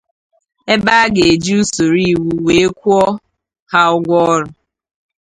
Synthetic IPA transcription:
e˦ba˦ɡe˨e˨d͡ʒi˦u˦so˨ɾi˦˨wu˦we˨e˦kʷu˦ɔ˦ | ha˦ʊ˦ɡʷɔ˦ɾʊ˨

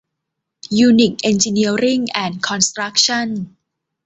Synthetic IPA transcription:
juː˧ni˨˩k̚ʔe˧nt͡ɕi˧ni˦˥ɐɾi˥˩ŋʔɛː˧nkʰɔ˧nst̪ɾa˦˥k̚t͡ɕʰa˥˩n

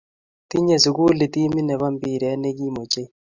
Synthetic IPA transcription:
ti˦ɲe˨su˨ku˦li˨ti˦mi˦nɛ˨βa˦mbi˨ɾɛ˨˦ne˦ɡi˦mo˨t͡ʃe˦

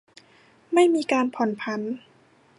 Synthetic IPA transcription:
ma˥˩jmiː˧kaː˧npʰɔ˨˩˦npʰa˧˥n

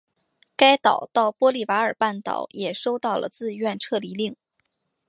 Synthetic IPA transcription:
ka˥ɪt̪ɑ˨˩ʊt̪ɑ˥˩ʊpwɔ˥li˥˩wa˧˥ə˞˨˩pa˥˩nt̪ɑ̰˨˩ʊjɛ˨˩ʂo˥ʊt̪ɑ˥˩ʊlə̰˩t͡sɹ̩˥˧ɥɛ˥˧nʈ͡ʂʰɤ˥˩li˧˥li˥˩ŋ

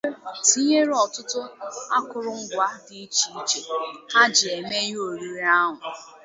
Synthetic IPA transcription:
ti˦ɲe˦ɾɔ˨tʊ˦tʊ˦a˦kʊ˨ɾʊ˦ŋ̩˦ɡʷa˦di˦i˦t͡ʃi˨i˦t͡ʃe˨a˦d͡ʒɪ˨e˨me˦jo˨ɾi˦ɾa˦ɦʊ˨

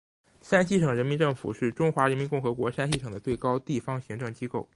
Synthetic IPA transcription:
ʂa˥nɕi˥˩ʂɤ˨˩ŋɻə˧˥nmi˧˥nʈ͡ʂɤ˥˩ŋfṵ˨˩ʂɻ̩˥˩ʈ͡ʂʊ˥ŋxwa˧˥ɻə˧˥nmi˧˥nkʊ˥˩ŋxɤ˧˥kwɔ˧˥ʂa˥nɕi˥˩ʂɤ˨˩ŋd̪ə˦t̪we˥˩ɪkɑ˥ʊt̪i˥˩fɑ˥ŋɕi˧˥ŋʈ͡ʂɤ˥˩ŋt͡ɕi˥ko˥˩ʊ

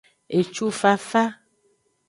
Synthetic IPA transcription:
e˨t͡ʃu˦fa˦fa˦

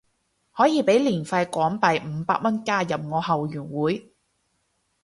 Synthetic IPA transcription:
hɔː˨˥jiː˨˧pe˨˥jliː˨˩nfɐ˧jkʷɔː˨˥ŋpɐ˨jm̩˨˧pa̰ː˧k̚mɐ˥nkaː˥jɐ˨p̚ŋɔː˨˧ɦɐ˨wjyː˨˩nwuː˨˥j

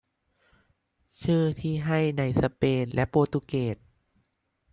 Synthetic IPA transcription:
t͡ɕʰɯː˥˩t̪ʰiː˥˩ɦa˥˩jna˧˩jsa˧peː˧nlɛ˦˥ʔpoː˧˩t̪uː˧˩keː˨˩t̪̚

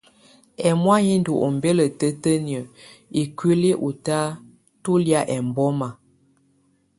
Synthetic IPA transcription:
ɛ˨mwa˦ji˦n˦du˨ʔɔ˨m˨be˦lə˨tə˦tə˦ni˨ə˨i˨kwi˦li˦ʔu˨ta˦ | tu˦lja˦ʔɛ˨m˨bɔ˦ma˨

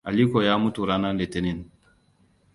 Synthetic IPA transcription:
a˨li˦kɔ˨ja˦mu˦tu˨ɾa˦na˦nle˨te˦ni˦n

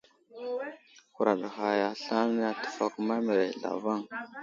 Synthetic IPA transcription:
ku˨ɾa˨ɗxa˨ja˨ɬa˦n˦n˦a˦tə̥˨fa˦kma˦mə˨ɾe˨ɮa̰˨va˦ŋ

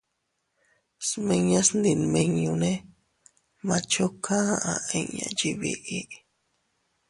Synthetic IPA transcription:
smẽ˧ɲã˦snd̪i˨nmẽ˧ɲũ˧nẽ˦ | mã˧t͡ʃo˦kʰã˦ʔã˧ʔẽ˧ɲã̰˧d͡ʒi˧βḭ˧ʔi˦ʔ

